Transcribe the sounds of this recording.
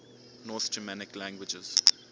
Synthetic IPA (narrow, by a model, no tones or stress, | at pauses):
nɔθd͡ʒəmænɪklæ̃ŋɡwɪd͡ʒəz̥